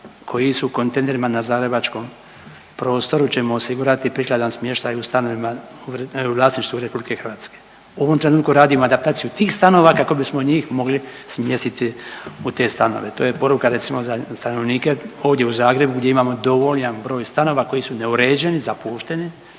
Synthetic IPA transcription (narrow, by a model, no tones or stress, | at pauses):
kʰo̞jisuko̞nt̪eneɾimanazaːɡɾe̞bat͡ʃko̞m | pɾo̞ːst̪o̞ɾut͡ɕe̞mo̞ːsiɡuɾat̪ipɾiklˠad̪ansmje̞ʃt̪ajust̪ano̞ʋimauuʋlaːsniʃt̪ʋuɾepublike̞xrʋaːt̪ske̥ː | uo̞ʋo̞mt̪ɾe̞nuːt̪kuɾaːd̪imoad̪ap̚t̪aːt̪sijut̪iːxst̪ano̞ːʋakako̞bismoɲiːxmo̞ɡlismje̞st̪it̪iut̪e̞ːst̪ano̞̰ʋe̞t̪o̞ːjepo̞ɾukaɾet̪simo̞zast̪ano̞ʋniːke̞o̞ːʋd̪ʲje̞uzaːɡɾe̞buɡdʲje̞imaːmo̞d̪o̞ʋo̞ʎanbɾo̞ːjst̪ano̞ʋako̞jisune̞uɾe̞ːd͡ʒe̞nizapuːʃt̪e̞ni